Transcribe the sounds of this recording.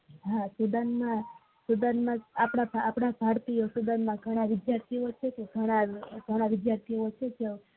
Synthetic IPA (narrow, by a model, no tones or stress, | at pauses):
ɦãsud̪anmã | sud̪ənmãapɽabʱaːpɽabʱaɽt̪iosud̪anmãɡʱəɽ̃aʋɪd̪jaɾt̪ʰiot͡ʃʰek̪eɡʱəɽ̃aɡʱəɽ̃aʋɪd̪jaɾt̪ʰiot͡ʃʰet͡ʃʰe